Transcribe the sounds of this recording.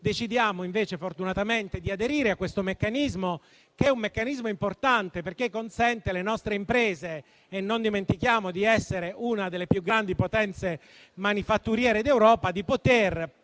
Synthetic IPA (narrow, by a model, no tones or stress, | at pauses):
d̪et͡ʃid̪jaːmoiɱveːt͡ʃefort̪unat̪ament̪ed̪iad̪eɾiːɾeakːwest̪omekːanizmo | kɛumːekːanizmoimport̪ant̪eperkekːonsɛnt̪elenɔst̪ɾeimpɾeːzeː | nːond̪iment̪ikjaːmod̪iɛsːeɾeʔunad̪elːepjuɡːɾand̪ipot̪ɛnt̪se | manifat̪ːuɾjɛːɾed̪ewɾɔːpad̪ipot̪er